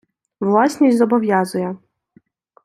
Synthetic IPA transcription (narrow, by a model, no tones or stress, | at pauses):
ʋlˠɑsʲnʲisʲzɔbɔʋʲjazʊjɛ